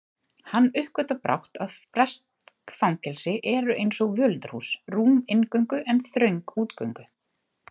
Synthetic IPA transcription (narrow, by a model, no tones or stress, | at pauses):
hanːʏhkvœt̪apɾa̰wht̪aðpɾɛst̪kfawŋcɛlsɪʔɛɾʏʔejnsɔɣvœlt̪ɾhuːsruːmɪnkœɥŋkʏʔɛnθɾœɥŋkuːt̪kœɥŋkʏ